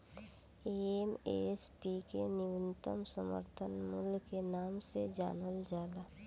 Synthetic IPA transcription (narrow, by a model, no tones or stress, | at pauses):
eemḛspikenɪʋɪnt̪ə̰msəmə̰ɾt̪ʰənmulkenaːmsed͡ʒa̰ːnəld͡ʒaːlaː